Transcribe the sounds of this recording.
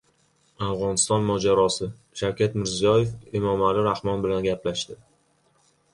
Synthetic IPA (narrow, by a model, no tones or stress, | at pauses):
afʁɒnɪst̪ɒnmɒd͡ʒaɾɒsɪ | ʃawkʲʰat̪mɪɾzijɒje̞femɒmalɪɾahmɒnbɪlanɡʲaplaʃt̪ɪ